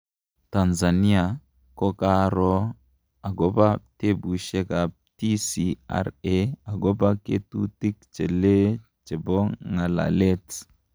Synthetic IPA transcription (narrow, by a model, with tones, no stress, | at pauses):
ta˨nza˨ni˦a˨ | kɔ˦ka˦ɾɔ˦ | a˨ɡɔ˦ba˦te˦bu˨ʃe˦ka˨ | ti˦si˦a̰˦ɾe˦a˨ɡɔ˦ba˦kḛ˦tu˦ti˦k̚t͡ʃe˨le˦ | t͡ʃe˨bɔ˦ŋa˨la̰˨le˦t